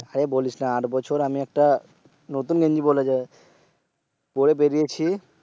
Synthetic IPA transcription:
aɾebolit͡ʃnaaʈbɔt͡ʃʰoɾamiɛk̚ʈa | not̪unɡʱẽɲd͡ʑibolad͡ʑae | koɽep̬eɾijet͡ɕʰi

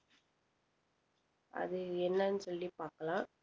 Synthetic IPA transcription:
ɐ̰ðɯɛnːɐnɯsɔlːipaːɾkɐlãː

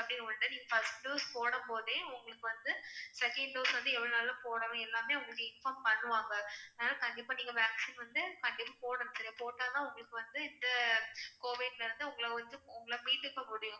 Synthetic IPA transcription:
ɐpɐɽɪnɐɐnʈːɯniːŋɡɐfɐsʈɖuːspoːɽɐmpoːðẽːʊŋɡɐɭɯkːɯʋɐnd̪ɯsɛkɐɳɖɖoːsʋɐnd̪ɯɛʋɐɭonɐlːɐpoːɽɐʋɐ̃ɛlːaːmeːʊŋɡɐɭɯkːɯɪnfaːmpɐɳːɯʋaːŋɡɐɐðenaːlɐkɐɳɖɪpːaːniːŋɡɐʋaːksinʋɐnd̪ɯkɐɳɖɪpːaːpoːɽɐnsɐɾɪjapoːʈːaːnãːʊŋɡɐɭɯkːɯʋɐnd̪ɯɪnd̪ɐkoːʋɪɖlɐɪɾɯnd̪ɯʊŋɡɐɭɐʋɐnd̪ɯʊŋɡɐɭɐmiːt̪ːɯkːɐmʊɽɪjʊ̃

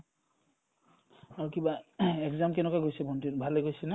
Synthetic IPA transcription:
aɹukibaɛkzamkɛnɛkajɡojsɛbʱɔntitbʱaleɡojsɛnɛ

